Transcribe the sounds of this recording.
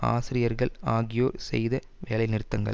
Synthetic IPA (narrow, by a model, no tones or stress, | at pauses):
a̰ːsɪɾɪjɐɾɣɐɭaːɣɪjoːɾsɛ̰jðɐ | ʋeːlɐɪnɪɾɯt̪ːɐŋɡɐ̰ɭ